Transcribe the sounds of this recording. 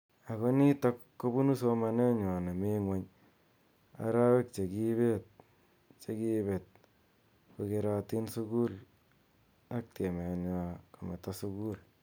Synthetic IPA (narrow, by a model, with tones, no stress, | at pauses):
a˨ko˦ni˦tɔ˦kːo˦bu˦nu˦s̬o˦ma˨ne˦ɲɔ˨ne˨me˦ŋwe˦ɲ | a̰˨ɾa˦we˦k̚t͡ʃe˨ki˦βe˦t̚ | t͡ʃe˦ki˦be˨t̚ | ko˧ke˧ɾa˧ti˦nsu˦ku˦l | a˦k̚te˨me˨nja˨ko˨me˨ta˦su˧ku˦l